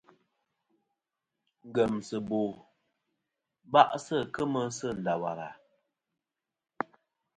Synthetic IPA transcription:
ŋ̩˨ɡə˨msə˨bo˨ | ba˦ʔsə˦˨kə˦mə˦sə˦˨n̩˨da˨wa̰˨ɾa̰˨

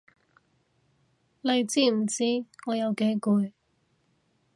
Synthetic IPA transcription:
le˨˧jt͡siː˥m̩˨˩t͡siː˥ŋɔː˨˧jɐ˨˧wke˨˥jkuː˧j

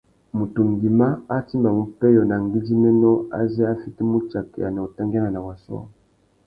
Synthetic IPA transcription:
mu˨tu˨ŋɡi˨ma˦a˦ti˦mba˨mu˨pɛ˦jɔ˨na˨ŋɡi˦di˦mɛ˦nɔ˦a̰˦za˦a˦fi˦ti˦mu˦t͡ʃa˨kɛ˨a˨na˨o˨ta˦ŋɡa˦na˨na˨wa˨sɔ̰˦

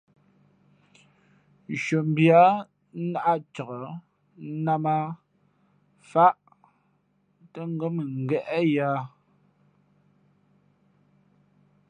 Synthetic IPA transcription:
n̩˨ʃo˨m̩˨bja˨˦ | na˦ʔa˦t͡ʃə˨ɣə˨˦ | na˦ma˦ | fa˦ʔ | tə˦ŋ˦ɡə˦mə˨ŋ̩˨ɡɛ˦ʔɛ˦ja˦

